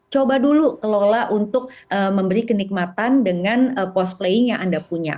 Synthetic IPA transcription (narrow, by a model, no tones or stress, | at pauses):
t͡ʃobadulukəlolaʔunt̪ʊk̚əməmbəɾikənik̚mat̪andəŋanəpɔs̚pleɪŋjaŋʔandapuɲa̰